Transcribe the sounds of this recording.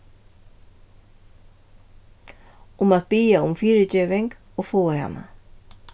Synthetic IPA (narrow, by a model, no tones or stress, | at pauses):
ʊmat̪̚biːaʊmfiːɹɪcɛːvɪŋk | oːɣfoːaha̰nːa̰